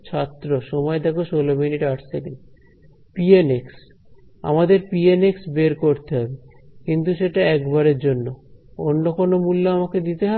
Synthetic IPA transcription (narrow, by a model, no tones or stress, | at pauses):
t͡ɕʰat̪ːɾoʃɔmɔed̪ɛkoʃolominiʈaʈt̪ʰeken | pieneks | a̰mad̪eɾpieneksbeɾkoɾt̪eɦɔbe | kint̪uʃeʈaɛkbaɾeɾd͡ʑonːoonːokonomulːoamaked̪it̪eɦɔe